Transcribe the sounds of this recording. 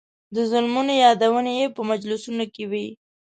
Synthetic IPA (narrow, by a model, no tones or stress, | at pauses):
d̪əzʊlmunojɑd̪awənejepəmad͡ʒlusunokewi